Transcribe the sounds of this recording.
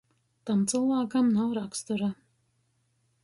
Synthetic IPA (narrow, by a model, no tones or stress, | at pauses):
t̪amt̪sɨlˠvaːkamnawɾakst̪uɾa